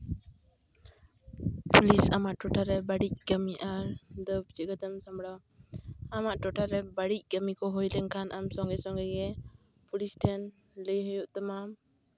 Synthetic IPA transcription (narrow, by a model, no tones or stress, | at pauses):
pulisamaʔʈɔʈaɾɛbaɽic̚ɡəmiʔaɾd̪əb̚d͡ʒəɡət̪əmsambɽa | amaʔʈɔʈʰaɾɛbaɽic̚ˀɡəmikɔɦɔjlɛŋkʰanʔamsɔŋɡɛsɔŋɡɛɡɛ | pulisʈʰɛn | ləjɦəjuʔt̪amam